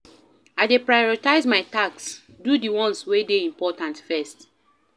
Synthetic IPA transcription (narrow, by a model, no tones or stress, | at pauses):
aɪdepɹajɔɹitaɪzmaɪtaks | dudiwɔ̃nswedeĩmpɔtãntfɛst